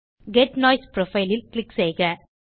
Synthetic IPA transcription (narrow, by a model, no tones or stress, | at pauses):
ɡɛʈnɔːɪspɾofɐɪlɪlklɪkːsɛɪɣɐ